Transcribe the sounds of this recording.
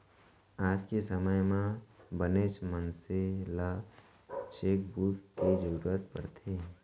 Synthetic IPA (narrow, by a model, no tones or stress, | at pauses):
aːd͡ʒkesəməjmãbəneːʃmənsela | t͡ʃeːk̚buːʈked͡ʒəɾuɾuət̪pə̰ɾt̪ʰeː